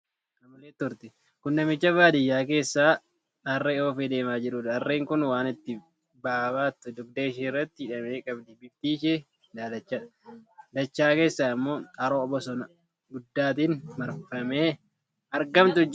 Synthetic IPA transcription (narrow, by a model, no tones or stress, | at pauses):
kɐmɐleːt̪ːʊɾt̪ɪ | kʊnːɐmɪt͡ʃːɐbaːd̪ɪjːaːke̞ːsːaː | ɐrːeːoːfed̪e̞ːmaːd͡ʒɪɾuːd̪ɐrːeːŋkʊnwaːnɪt̪ːɪ | baːbaːt̪ːʊd̪ʊɡ̚d̪eːɪʃeːɪrːɐt̪ːɪɪᶑɐmeːkʼɐbd̪ɪbɪbt̪iːʃe | d̪aːd̪ɐt͡ʃːa | d̪ɐt͡ʃːaːke̞ːsːaːɪmːo̞ːɐɾoːɔbɔsɔnɐ | ɡʊd̪ːaːt̪inmɐɾfɐmeː | ɐɾɡɐmt̪ʊd͡ʒ